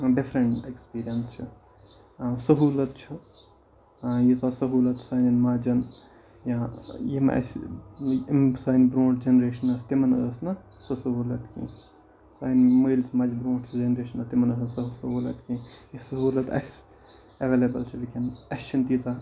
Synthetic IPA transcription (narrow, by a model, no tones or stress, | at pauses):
ɖifɾɐɳʈekspiːɾijɐnst͡ʃʰi | sɐɦuːlɐt̪t͡ʃʰi | jisasɐɦuːlɐt̪saːninmaːd͡ʒɐn | jãjimɐ̰s | saːjnbɾõːɳʈd͡ʒenɾeːʃɐnɐst̪imɐnɐ̰əsnɐsɐsɐɦuːlɐt̪kḭ̃ | saːnməilsʰmaːd͡ʒibɾõːʈt͡ʃʰd͡ʒenɾeːʃɐnɐst̪imɐnɐsnsɐsɐɦuːlɐ̰t̪kĩjisɐɦuːlɐt̪ɐ̰s | ɐʋeːlebɐlt͡ʃʰiʋikinɐst͡ʃʰɐnt̪iːt͡sa